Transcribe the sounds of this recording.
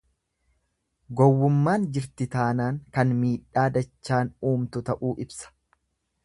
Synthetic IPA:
ɡɔwːʊmːaːnd͡ʒɪɾt̪ɪt̪aːnaːŋkɐnmiːᶑːaːd̪ɐt͡ʃːaːnuːmt̪ʊt̪ɐʔuːʔɪbsɐ̥

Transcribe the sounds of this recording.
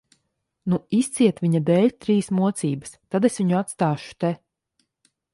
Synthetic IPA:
nuist̪siɛt̪vʲiɲad̪ɛːlʲt̪ɾiːsmuɔt̪siːbəst̪ad̪esviɲuat̪st̪aːʃu̥t̪ɛ

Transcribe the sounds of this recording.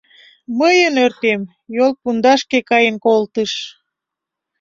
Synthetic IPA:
məjənørt̪em | jolˠpund̪ɑʃkekɑjənkolt̪əʃ

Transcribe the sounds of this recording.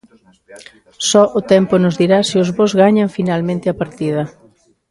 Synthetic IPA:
sɔʔʊt̪ɛmpʊnʊzðiɾasiʊzβozɣaɲaɱfinalmẽnt̪ɪapaɾt̪ið̞ɐ

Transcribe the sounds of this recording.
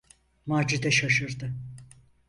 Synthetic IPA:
maːd͡ʒid̪ɛʃaʃɯɾd̪ɯ

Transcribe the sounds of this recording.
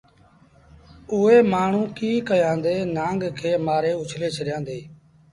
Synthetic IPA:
ʊːeːmaːɳ̤ũːkiːkəjãːnd̪eːnãːŋɡkʰeːmaːɾeːʊt͡ʃʰleːt͡ʃʰəɾɪjãːnd̪eː

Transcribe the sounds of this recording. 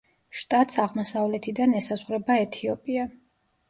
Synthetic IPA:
ʃt̪ʼat̪ʼsaʁmɔsavlɛt̪ʰid̪anɛsazʁɾɛbaɛt̪ʰiɔpʼia

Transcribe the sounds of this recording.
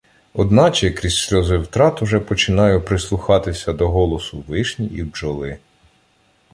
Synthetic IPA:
ɔd̪nɑt͡ʃɛkɾʲisʲsʲlʲɔzɪwt̪ɾɑt̪ʊʒɛpɔt͡ʃɪnɑjʊpɾɪslˠʊxɑt̪ɪsʲɐd̪ɔɦɔlˠɔsʊʋɪʃnʲiʔiwʒɔlˠɪ

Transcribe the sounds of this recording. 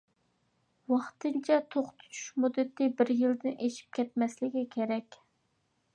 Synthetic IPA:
wɑχt̪ɨnt͡ʃʰɛt̪ʰoχt̪ʰu̥t͡ʃʰu̥ʃmud̪ːɨt̪ːɪbɪɾjɪld̪ɪnʔeʃi̥p̚kʲɛt̪̚mɛslɪɡʲikʲʰeɾɛkʲ

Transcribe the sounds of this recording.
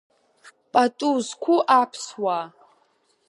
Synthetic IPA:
pʼatʼuzkʷʰuʔapʰswa

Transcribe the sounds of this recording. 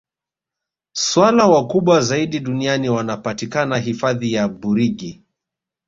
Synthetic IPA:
swalawakuɓwazaiɗiɗunianiwanapatikanaɦifaðijaɓuɾiɠi

